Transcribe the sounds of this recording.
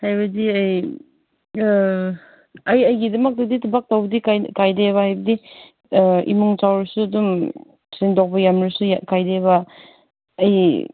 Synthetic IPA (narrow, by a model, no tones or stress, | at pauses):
hajbɐdiaj | ɐjajɡidɐmɐk̚dɐditʰubak̚tawbɐdikakajdeβɐhajbɐdi | ḭmuŋt͡ʃawɾɐsuɐdum | sindɔk̚bɐjamɾasujakajdeβɐː | j